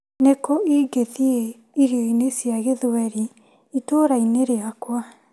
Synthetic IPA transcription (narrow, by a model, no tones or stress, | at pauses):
nekɔiɡeðie | iɾioinesiaɣeðoɛɾi | itoːɾaineɾeakwa